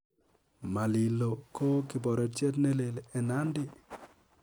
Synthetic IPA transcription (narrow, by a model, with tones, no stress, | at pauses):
ma˨li˨lo˨ko˦kɪ˨bɔ˨ɾɔ˨te˦tne˦le˨lɛ˨na˦ndɪ˦